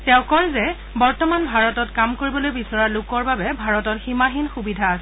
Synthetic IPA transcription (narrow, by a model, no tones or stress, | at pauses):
tɛʊ̃kɔɹzɛ | bɔɹtɔmanbʱaɹɔtɔtkamkoɹibɔlojbisɔɹalʊkɔɹbabɛbʱaɹɔtɔɹximaɦinxubidʱaːsɛ